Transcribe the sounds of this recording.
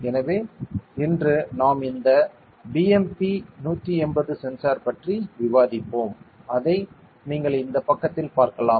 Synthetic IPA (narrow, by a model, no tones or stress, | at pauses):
ɛnɐʋeːɪndrɯnaːmɪnd̪ɐ | biɛmpinuːt̪ːiɛnbɐðɯsɛnsaːɾpɐʈriʋɪʋaːðɪpːoːmɐðɐɪ | niːŋɡɐɭɪnd̪ɐpɐkːɐt̪ːɪlpaːɾkɐlaːm